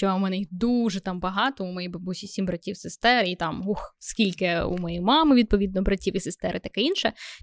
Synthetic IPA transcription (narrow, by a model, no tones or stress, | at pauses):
t͡ʃɔmɛnɛid̪uʒɛt̪ɑmbɐɦɑt̪ɔumɔjiɐbusʲisʲimʲbɾɐtʲiwsest̪ɛɾit̪ɑmɦuxskʲilʲkɪṵmɔjijmɑmɪʋʲid̪̚pɔʋʲid̪̚nɔbɾɐtʲiwisest̪ɛɾɪt̪ɐkɛinʃɛ